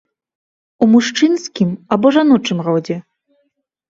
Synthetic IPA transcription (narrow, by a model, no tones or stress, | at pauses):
umuʂt͡ʂɨnsʲkʲimabɔʐanɔt͡ʂɨmrɔwd͡zʲɛ